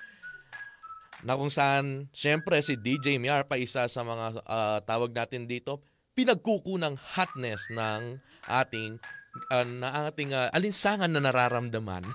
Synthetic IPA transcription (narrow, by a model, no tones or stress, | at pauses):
nɐkʊŋsɐʔanʃɛmpɾɛsɪd̪id͡ʒɛjmiʔaɹpɐʔɪsasɐmɐŋat̪aːwɐɡ̚naːt̪ɪnd̪iːt̪o̞ | pɪnɐɡ̚kukuːnɐŋhat̪̚nɛsnɐŋ | ʔaːt̪ɪŋɐnɐʔat̪ɪŋaʔɐlɪnsaːŋɐnːɐnɐɾaːɾɐmd̪ɐma̰n